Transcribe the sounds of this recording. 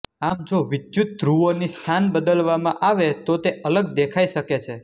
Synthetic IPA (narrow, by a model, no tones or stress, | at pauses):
amd͡ʒoʋɪd͡ʒjut̪̚ːɾuonist̪ʰanbəd̪əlʋamãʔaʋet̪ot̪eʔələɡd̪ekʰaiʃəket͡ʃʰe